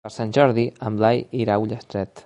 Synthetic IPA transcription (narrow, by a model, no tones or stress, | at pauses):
əɾsanʲʒɔɾðiəmlajiɾawʎəst̪ɾɛt̪